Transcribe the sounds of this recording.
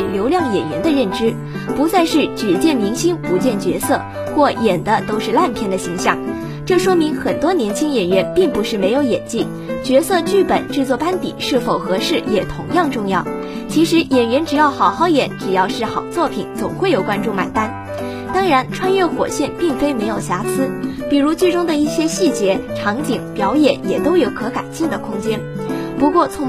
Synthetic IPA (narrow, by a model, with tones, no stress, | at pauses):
ljo˧˥ʊljɑ˥˩ŋjɛ˨˩nɥɛ˧˥nd̪ə˧ɻə˥˩nʈ͡ʂɻ̩˥ | pu˧˥t͡sa˥˧ɪʂɻ̩˥˩ʈ͡ʂɻ̩˨˩t͡ɕjɛ˥˩nmi˧˥ŋɕi˥ŋpu˧˥t͡ɕjɛ˥˩nt͡ɕɥɛ˧˥sɤ̰˥˧ | xwɔ˥˩jɛ˨˩nd̪ə˦t̪o˥ʊʂɻ̩˥˧la˥˩npʰjɛ˥nd̪ə˨˩ɕi˧˥ŋɕjɑ̰˥˩ŋ | ʈ͡ʂɤ˥˩ʂwɔ˥mi˧˥ŋxə˨˩nt̪wɔ˥njɛ˧˥nt͡ɕʰi˥ŋjɛ˨˩nɥɛ˧˥npi˥˩ŋpu˧˥ʂɻ̩˥˩me˧˥ɪjo˧˥ʊjɛ̰˨˩nt͡ɕi˥˩ | t͡ɕɥɛ˧˥sɤ˥˧t͡ɕy˥˩pə˨˩˦nʈ͡ʂɻ̩˥˧t͡swɔ˥˩pa˥nt̪ḭ˨˩˦ʂɻ̩˥˩fo˨˩ʊxɤ˧˥ʂɻ̩˥˩jɛ˨˩t̪ʰʊ˧˥ŋjɑ˥˧ŋʈ͡ʂʊ˥˧ŋjɑ˥˩ʊ | t͡ɕʰi˧˥ʂɻ̩˧˥jɛ˨˩nɥɛ˧˥nʈ͡ʂɻ̩˨˩jɑ˥˩ʊxɑ˨˩ʊxɑ˥˩ʊjɛ˨˧˥nʈ͡ʂɻ̩˨˩jɑ˥˧ʊʂɻ̩˥˩xɑ˨˩ʊt͡swɔ˥˩pʰḭ˨˩˦nt͡sʊ˨˩ŋxwe˥˩ɪjo˨˩ʊkwa˥nʈ͡ʂu˥˩ma̰˨˩ɪt̪a˥n | t̪ɑ˥ŋɻa˧˥nʈ͡ʂʰwa˥nɥɛ˥˩xwɔ̰˨˩ɕjɛ˥˧npi˥˩ŋfe˥ɪme˧˥ɪjo˨˩ʊɕja˧˥t͡sʰɹ̩˥pi˨˩ɻu˧˥t͡ɕi˥˩ʈ͡ʂʊ˥ŋd̪ə˨i˥˩ɕjɛ˥ɕi˥˩t͡ɕjɛ˧˥ʈ͡ʂʰɑ˧˥ŋt͡ɕi˨˩˦ŋpjɑ˧˥ʊjɛ˨˩njɛ˨˩t̪o˥ʊjo˨˧˥ʊkʰɤ˧˥ka̰˨˩ɪt͡ɕi˥˩d̪ə˩kʰʊ˥ŋt͡ɕjɛ˥n | pu˧˥kwɔ˥˩t͡sʰʊ˧˥ŋ